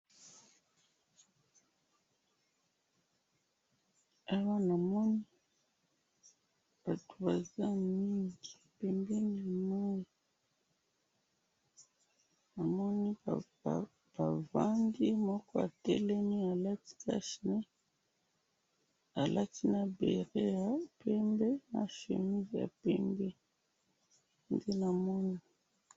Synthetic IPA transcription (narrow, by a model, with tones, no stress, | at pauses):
a˦wa˦na˨mɔ˦ni˦ | b̥a˨to̥˨ba˨za˦mi˦ŋɡi˨pɛ˨mbɛ˦ni˦˨mɔ˦jɔ˨ | na˨mɔ˦ni˦ | b̥a˨va˦ndi˦mɔ˦kɔ˦a̰˨tɛ˦lɛ˦ni˦a˨la˦ti̥˦ka̰˦ʃne˦ | a˨lʔa˦ti˦na˨bḛ˨ʁe˦ja˨pʰɛ˦mbɛ˦na̰˨ʃḛ˨mi˦zi˨ja̰˨pɛ˦mbɛ˦ | nde˦na˨mɔ˦ni˦